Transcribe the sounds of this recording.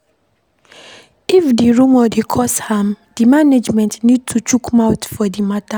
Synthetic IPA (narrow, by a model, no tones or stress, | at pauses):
ifdiɹũmɔdekʰɔshãm | d̥imaned͡ʒmɛ̃ntnid̚tʰut͡ʃukmaʊtfɔdimata